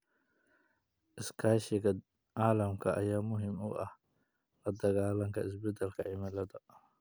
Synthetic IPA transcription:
ʔɪskʰaːʃɪkɐ | ʔaːlɐmkʰɐʔɐ̰jaːmʊɦɪmɔɡɐ̰h | lɐd̪ɐɣaːlɐŋkɐɪs̬bɛd̪ɐlkɐʕɪmɐlɐd̪ɐ

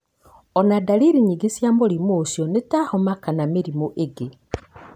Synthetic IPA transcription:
ɔnadaliɾiɲiɡesjamoɾimoːsjɔnetahɔmakanameɾimoʔeɡe

